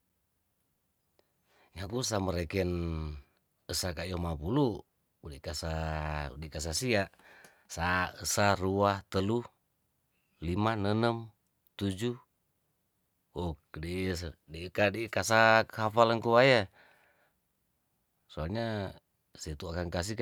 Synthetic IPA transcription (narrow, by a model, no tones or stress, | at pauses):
ŋakus̬aməɾekɛn | əsakaijomapulu | udikasaṵdikas̬asiaʔ | saəsaruaht̪əlu | limanənəm | t̪ud͡ʒu | ok̚disdikadikas̬akhafaləŋkuwaja | soalɲa | sit̪uakaŋkas̬ik